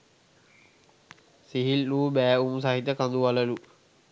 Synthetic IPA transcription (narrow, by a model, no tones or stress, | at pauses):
siɦilːuːbæːums̬aɦit̪əkand̪uʋaləlu